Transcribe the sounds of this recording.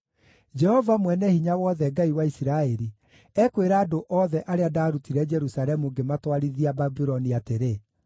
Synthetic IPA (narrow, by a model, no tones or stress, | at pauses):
d͡ʒɛhɔvamwɛnɛhiɲawɔðɛɡaiwaisiɾaeɾi | ɛkweɾaːdoʔɔːðɛʔaɾeadaːɾutiɾɛd͡ʒɛɾusaɾɛmuɡematwaɾiðiababiɾɔniateɾe